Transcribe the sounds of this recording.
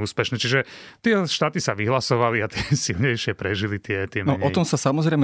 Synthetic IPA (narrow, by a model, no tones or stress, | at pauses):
uːspɛʃnɛt͡ʃiʒɛ | t̪ɪɛʃt̪aːt̪isaʋiɦlasɔʋaliat̪ɪɛsilɲɛjʃɪɛpɾɛʒilit̪ɪɛt̪ɪɛnɔɔt̪ɔmsasamɔzɾɛjm